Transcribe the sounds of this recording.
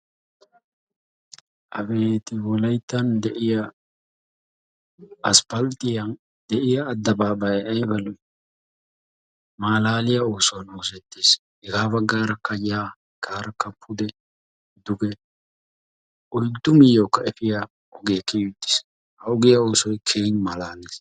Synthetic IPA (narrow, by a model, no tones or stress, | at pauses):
ʔɐbe̞ːt̪ɪwɔlɐjt̪ːɐnd̪ɛʔɪja | ʔɐspɐlt̪ɪjɐn | d̪ɛʔɪjɐːd̪ːɐbaːbɐjɐjbɐlʊ | maːlaːlɪjɐoːsɔwɐnoːsɛt̪ːeːs | hɛɡaːbɐɡːaːɾɐkːɐjaː | ɡ̥aːɾɐkːɐpʰːʊd̪ɛ | d̪ʊɡɛ | ɔjd̪ːʊmɪjːoːkːɐɛfɪja | ɔɡekːɛjʊt̪ːɪ̥s | hɐɔɡɪjɐo̞ːsɔjkʰeːnmaːlaːneːs